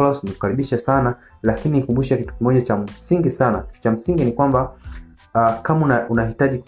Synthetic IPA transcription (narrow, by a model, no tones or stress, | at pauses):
lɔsniku̥kaɾiɓiʃasana | lakinikumbuʃakitu̥kimɔʄat͡ʃam̩siŋɡisanaki̥tu̥t͡ʃam̩siŋɡinikwamba | kamunaunahitaʄi